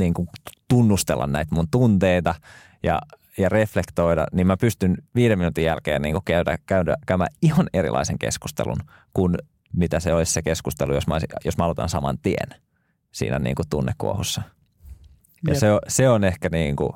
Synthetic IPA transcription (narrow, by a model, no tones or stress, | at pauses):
niːŋkut̪unːust̪elːɑ̰nnæit̪munt̪unt̪eit̪ɑ | jɑ̰ | jɑreflekt̪oidɑ̰nimmæpyst̪ynʋiːɾeminut̪ijælkḛːnnḭːŋkukæydæ̰kæydæ̰kæymæ̰ːihɑneɾḭlʔɑ̰iseŋkḛsku̥st̪ḛlṵn | kun | mit̪æseolissekeskust̪elujosmæɑsijosmæɑlot̪ɑ̰nsɑmɑ̰nt̪iḛn | sḭːnæ̰nḭːŋkut̪unːekːṵo̰husːɑ | jɑ̰seoseonehkæniːŋkṵ